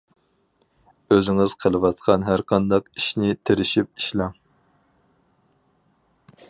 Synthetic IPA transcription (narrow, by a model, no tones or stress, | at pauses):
øzɪŋɪz̥qʰəlˠɨwɑt̪̚qʰɑnɦæɾqʰɑnd̪ɑqiʃnɪt̪ʰeɾɪʃip̚i̥ʃlɑŋ